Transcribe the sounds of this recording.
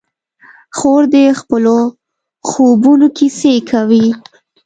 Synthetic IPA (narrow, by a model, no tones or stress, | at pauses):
xoɾd̪əxpəlo | xobunokisekʰawi